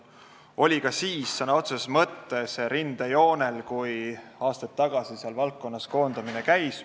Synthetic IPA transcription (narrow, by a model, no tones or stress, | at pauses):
o̞lʲikɑsiːsːɑnːɑo̞t̪sesmɤt̪ːe̞se̞ɾind̪̥ejo̞ːne̞lkujɑːst̪ɑt̪ːɑɡ̥ɑsiseɑlvɑlkːo̞nːɑsko̞ːnd̪̥ɑminekæjs